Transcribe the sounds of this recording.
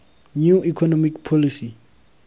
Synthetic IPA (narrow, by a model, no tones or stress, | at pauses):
nuikʰɔnɔmikpʰɔlisi